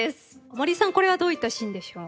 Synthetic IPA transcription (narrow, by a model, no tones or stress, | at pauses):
esɨ̥omoɾʲisãŋko̞ɾe̞βad̪oːit̪ːaɕĩnd̪e̞ɕo̞ː